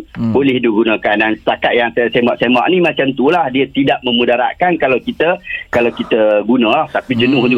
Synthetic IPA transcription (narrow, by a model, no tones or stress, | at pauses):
bolɛhdiuɡunãkandansə̥t̪akat̪̚jaŋsajsemaʔsema̰ʔnimat͡ʃamt̪ulahdiət̪idaʔmə̃mudaɾa̰ʔkankalawkit̪əkalawkit̪əɡunãlaht̪apid͡ʒənʊhd͡ʒu